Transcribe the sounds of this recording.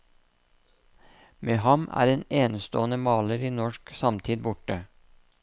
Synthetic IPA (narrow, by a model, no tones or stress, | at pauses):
meːɦɑmæ̰ːɾeːneːnst̪oːənəmɑːləɾiːnɔʃksɑmt̪ʰiːd̪bʊʈə